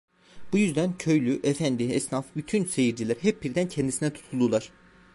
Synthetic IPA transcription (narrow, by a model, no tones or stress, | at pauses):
b̥ujyzd̪æncʰø̞jlʲyʔɛfænd̪iɛsnafbyt̪ʰynse̞jiɾd͡ʒilʲæɾɦɛp̚biɾd̪æncʰɛnd̪isinɛt̪ʰu̥t̪ʰulˠd̪ulˠaɾ̥